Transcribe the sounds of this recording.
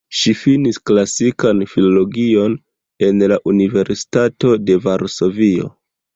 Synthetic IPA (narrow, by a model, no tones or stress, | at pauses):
ʃifinisklasikanfilo̞lo̞ɡio̞n | e̞nlaʔunive̞ɾsi̥tato̞de̞vaɾso̞vio̞̰